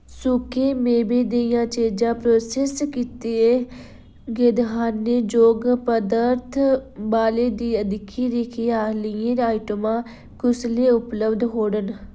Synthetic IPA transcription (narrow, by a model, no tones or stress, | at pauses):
sʊkeːmeːbeːd̪ejãːt͡ʃeːd͡ʒãːpɾoːseːskiːt̪eːeː | ɡed̪ɦaːnːeːd͡ʒoːɡpəd̪əɾt̪ʰbaːleːd̪iːəd̪ɪkʰːiːɾekʰiːaːlɪjẽɾaːɪʈəmãː | kʊsleːʊpləbd̪ɦoːɽən